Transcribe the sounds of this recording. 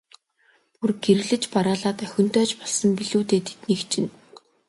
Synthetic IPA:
purɡeɾ̆ɣɮɘ̆t͡ɕpaɾaːɮaːt̪œxʲɪ̆n̥t̪œːt͡ɕpɔɮsɞ̆mpiɮuːt̪eːt̪ʰe̥t̪niːkt͡ɕʰɪ̆n

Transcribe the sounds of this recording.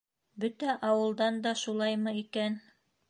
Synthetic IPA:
bɵt̪æʔɑwɤ̆lˠd̪ɑnd̪ɑʃulˠɑjmɤikæn

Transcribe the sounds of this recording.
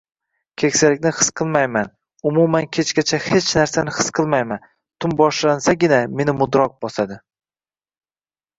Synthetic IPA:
kʲʰe̞kʲsalɪkʲnɪχɨ̥sqʰɨlˠmajman | ʊmumankʲʰet͡ʃkʲat͡ʃʰahe̞t͡ʃʰnaɾsanɪχɨ̥sqʰɨlˠmajman | t̪ʰʊmbɒʃlansaɡʲɪname̞nɪmʊd̪ɾɒq̚bɒsad̪ɪ

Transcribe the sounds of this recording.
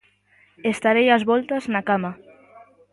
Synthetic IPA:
est̪aɾejazβɔlt̪aznakama

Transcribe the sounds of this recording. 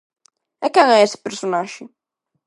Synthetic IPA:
ɛkɛŋɛesɪ̥peɾsonaʒɪ

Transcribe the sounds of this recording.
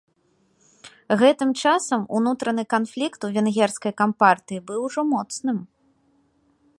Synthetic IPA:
ɣɛt̪ɨmt͡ʂasɐmṵnut̪ɾɐnɨkan̪flʲikt̪uvʲɛnɣʲɛrskɐjkampart̪ɨibɨwʐɔmɔt̪snɨm

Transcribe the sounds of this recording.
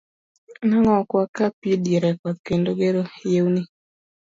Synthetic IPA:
naŋɔkwakapidiɾɛkɔt̪̚kendoɡeɾojewni

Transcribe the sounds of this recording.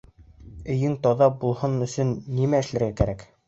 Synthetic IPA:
ɵ̆jɘŋt̪ɒðɑbulˠhɤnɵ̆sɵnːimæɘ̆ʃlæɾɡækæɾæk

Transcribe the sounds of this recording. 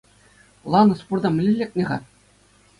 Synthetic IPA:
lˠɑnɤ̆spurd̪ɑmʲɘ̆lʲɘ̆lʲːek̚ʲnʲĕʁɑ̰

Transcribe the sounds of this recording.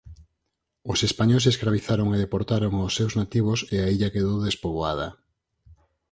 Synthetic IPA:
ʊsespaɲoseskɾaβiθaɾoŋeðepoɾt̪aɾoŋosːewznat̪iβ̞oseaiʎakeðowðespoβoaðɐ̰

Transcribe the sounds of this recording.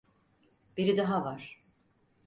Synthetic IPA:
b̥iɾid̪aɦavaɾ̥

